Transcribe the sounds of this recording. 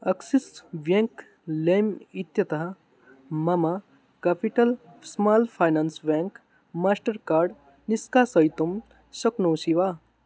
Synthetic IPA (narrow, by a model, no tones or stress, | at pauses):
ɐksisʋjẽŋk | lemit̪jɐt̪ɐɦɐ | mɐma | kaːpiʈɐlsmaːlpʰaːjnaːnsbeŋk | maːsʈɐɾkaːɾɖ | niskaːsɐjt̪um | sɐknoːʃiʋaː